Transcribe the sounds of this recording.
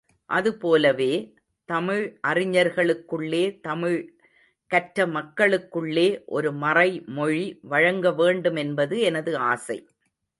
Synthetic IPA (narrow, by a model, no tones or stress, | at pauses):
ʔɐðɯpoːlɐʋeː | t̪ɐmɪɻʔɐrɪɲɐɾɣɐɭɯkːɯɭːeːt̪ɐmɪɻ | kɐʈɾɐmɐkːɐɭɯkːɯɭːeːʔɔ̰ɾɯmɐrɐɪmɔɻiʋɐɻɐŋɡɐʋeːɳɖɯmɛnbɐðɯɛnɐðɯaːsɐɪ